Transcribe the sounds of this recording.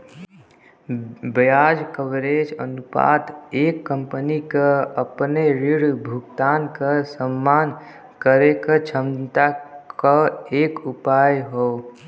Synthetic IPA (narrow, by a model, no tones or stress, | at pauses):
bəjad͡ʒkəʋɾed͡ʒənupa̰ːt̪ekːəmpənikəəpneɾiɽbʱuɡt̪ankəsəmːaːn | kəɾekət͡ʃʰəmt̪akəeːkupajɦo